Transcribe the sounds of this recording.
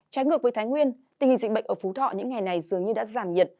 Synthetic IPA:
t͡ɕaː˨˦jŋɨ˨˩ək̚vəː˨˦jt̪ʰːjŋwi˧ənt̪ï˨˩ŋhḭ˨zi˧˨ɓə̰˧˨ŋ̟ʔəː˧˩fu˨˦t̪ʰɔ̰˧˨ɲɨ̰˧˥ŋːa˨˩jna˨˩jzɨ˨˩əŋɲɨ˧ɗa̰ː˧˥zaː˧˩mɲi˨˩ət̚

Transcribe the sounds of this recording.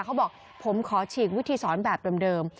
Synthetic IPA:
kʰa˦˥wbɔː˨˩k̚ | pʰo˩˦mkʰɔː˩˦t͡ɕʰiː˨˩k̬̚wi˦˥t̪ʰiː˧sɔː˩˦nbɛː˨˩p̚dɤː˧mdɤː˧m

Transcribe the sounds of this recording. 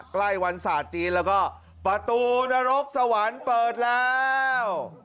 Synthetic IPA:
kla˥˩jwa˧nsaː˨˩t̪̚t͡ɕiː˧nlɛː˦˥wkɔː˥˩ | pɾa˧t̪uː˧na˧ɾo˦˥k̚sa˧wa˨˩˦npɤː˨˩t̪̚lɛː˦˥w

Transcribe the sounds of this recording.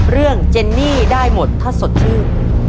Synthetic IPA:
ɾɯ˥˩əŋt͡ɕe˧nːiː˥˩daː˥˩jmo˨˩t̪ʰːa˥˩so˨˩t̪̚t͡ɕʰɯː˥˩

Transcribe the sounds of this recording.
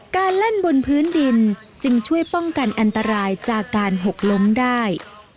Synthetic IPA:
kaː˧nle˥˩nbo˧npʰɯː˦˥ndi˧n | t͡ɕɯ˧ŋt͡ɕʰu˥˩əjpɔ˥˩ŋka˧nʔa˧nt̪a˧ɾaː˧jt͡ɕaː˨˩kːaː˧nɦo˨˩k̚lo˦˥mdaː˥˩j

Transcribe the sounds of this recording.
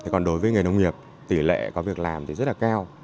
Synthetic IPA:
t̪ʰi˨˩kɔ˨˩nɗo˨˦jvəː˨˦jŋɨ˨˩jnə˧wŋ͡mŋi˨˩əp̚ | t̪i˧˩lḛ˧˨kɔ˨˦vi˨˩ək̚laː˨˩mt̪ʰi˨zə˦˥t̚laː˨˩kaː˧w

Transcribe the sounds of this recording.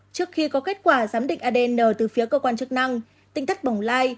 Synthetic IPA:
t͡ɕɨ˦˥ək̚xi˧kɔ˨˦ke˦˥t̚kwaː˧˩zaː˨˦mɗḭ̈˧˨ŋʔaː˧ɗe˧nəː˧˩t̪ɨ˨˩fi˨˦kəː˧kwaː˧nt͡ɕɨ˦˥ək̚na˧ŋ | t̪ï˧˩ŋ̟t̪ʰə˦˥k̚ɓa˨˧˩wŋ͡mlaː˧j

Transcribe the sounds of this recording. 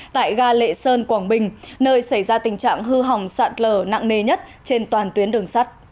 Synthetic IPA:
t̪a̰ː˧˨jɣaː˧lḛ˧˨səː˧nkwaː˧˩ŋɓï˨˩ŋ̟nəː˧jsa˧˩jzaː˧t̪ï˨˩ŋ̟t͡ɕa̰ː˧˨ŋɦɨ˧ɦa˨˩wŋ͡msa̰ː˧˨t̚ləː˧˩na̰ː˧˨ŋne˧˩ɲə˦˥t̚t͡ɕe˧nt̪waː˨˩nt̪wi˨˦ənɗɨ˨˩əŋsa˦˥t̚

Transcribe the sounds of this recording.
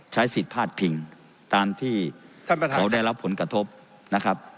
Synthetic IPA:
t͡ɕʰa˦˥jsi˨˩t̪̚pʰaː˥˩t̪̚pʰi˧ŋ | t̪aː˧mt̪ʰiː˥˩a˥˨˧kʰa˩˦wda˥˩jɾa˦˥pʰːo˩˦nkɾa˧t̪ʰo˦˥p̚ | na˦˥kʰa˦˥p̚

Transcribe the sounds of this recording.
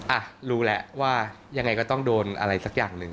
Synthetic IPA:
ʔa˨˩ɾuː˦˥lɛ˦ʔwaː˥˩ | ja˧ŋːa˧jkɔː˥˩t̪ɔ˥˩ŋdoː˧nʔa̰˧ɾa˧jsa˨˦˥k̚jaː˨˩ŋnɯ˨˩ŋ

